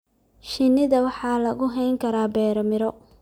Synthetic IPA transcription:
ʃɪnːɪðɐwɑħɑːlɐɣʊɦɛjŋkʰɐɾaːbɛːɾɔmɪɾɔ

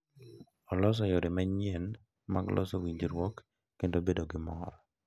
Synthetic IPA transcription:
ɔlɔs̬ɔjɔdemaɲɪɛn | ma̰ɡlʔɔ̰sɔwiɲd͡ʒiɾwɔkː | entobedoɡɪmɔ̰ɾɔ

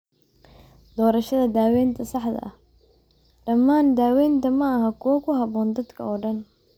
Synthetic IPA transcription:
d̪̥ɔːɾɐʃɐðɐd̪aːwɛːnt̪ʰɐsɑħd̪ɐ̰ʔɐh | ɖɐmːaːnd̪aːwɛːnt̪ʰɐmɐɐɦɐkʰʊwɐkʰʊɦɑβɔːnd̪ɐd̪kʰɐɔːɖɐn

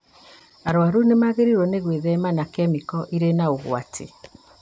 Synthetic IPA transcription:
aɾwaɾunemaɣeɾiɾwɔneɣweðɛmanakɛmikɔʔiɾenaoɣw̰a̰tʰḛ

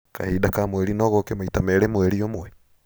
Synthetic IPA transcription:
ka̰hidakamweɾinɔɣokemaitamɛɾemweɾiomwɛ

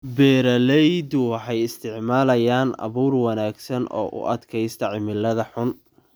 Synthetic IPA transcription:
bɛːɾɐlɛjd̪ʊwɑħɑjɪst̪ʰɪʕmaːlɐjaːnɐ̰βuːrwɑnaːɡsɐnʔɔ̰ːʔʊ̰ʔɐd̪kʰɛjst̪ʰɐʕɪmɪlːɐðɐħʊn

